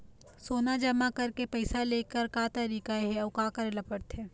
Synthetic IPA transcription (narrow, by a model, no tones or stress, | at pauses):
soːnad͡ʒɐmakɐɾkepɐɪsaleːkəɾkaːt̪ɐɾiːkaeɦɛɔːkaːkəɾlɐpəɽt̪ɦɛ̃ː